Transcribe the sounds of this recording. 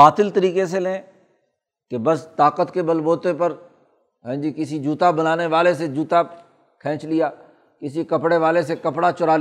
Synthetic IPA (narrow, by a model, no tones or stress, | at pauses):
aːt̪ɪlt̪əɾiːkes̬elẽː | kebɐst̪aːqət̪kebɐlboːt̪epɐɾ | ɦɛ̃ːd͡ʒikɪsid͡ʒuːt̪abɐnaːneʋaːlesed͡ʒuːt̪a | kʰɛ̃ːt͡ʃlɪjaː | kɪsikɐpɽeʋaːlesekɐpɽat͡ʃʊɾaːl